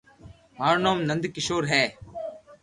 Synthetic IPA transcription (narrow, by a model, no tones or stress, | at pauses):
maːɾnãːmnə̃nd̪kɪʃoːɾɦɛː